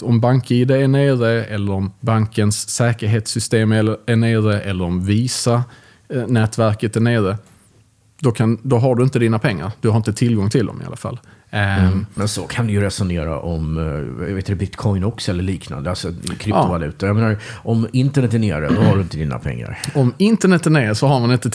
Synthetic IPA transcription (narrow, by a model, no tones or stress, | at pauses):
ɔmbaŋkiːd̪aæɳeːɾəɛlːəɾɔmbaŋkənsːɛːkəɾɦeːt̪sʏst̪eːmɛæɳeːɾəʔɛlːəɾɔmviːsa | nɛːt̪væɾkət̪̚d̪æɳeːɾə | d̪ɔkʰand̪ɔɦaɖɵɪnt̪əd̪iːnapʰɛŋːa̰ɾd̪ɵhaɾɪnt̪ət̪ʰɪlɡɔŋt̪ʰɪld̪ɔ̰mɪ̰a̰la̰fa̰lː | mɛnsɔkʰand̪ɵjɵɾɛsʊneːɾa̰ʔɔmjveːt̪d̪ɛbɪt̪kʰɔjnɔksɔɛlːəɭiːkna̰nd̪əalsɔkʰɾtːʊvalʉ̟ːt̪aɾjameːnaɾɔmɪnt̪əɳɛt̪ːæɳḛːɾə̰d̪ɔhaɖɵɪnt̪əd̪iːna̰pʰɛ̰ŋːa̰ɾɔmɪnt̪əɳɛt̪ːæɳeːɾsɔɦaɾmanɪnt̪ə